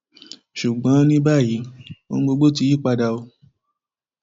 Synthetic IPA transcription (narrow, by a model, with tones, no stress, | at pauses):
ʃu˨ɡ͡bɔ̃˨˦nĩ˦ba˦˨ji˨˦o˧n̩˦ɡ͡bo˧ɡ͡bo˦t̬i˨˧ji˦˨k͡pa˧da˧o˧